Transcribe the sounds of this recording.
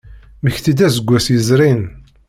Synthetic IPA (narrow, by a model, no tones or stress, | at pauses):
məçθid̪æzəɡʷːæsjəzɾin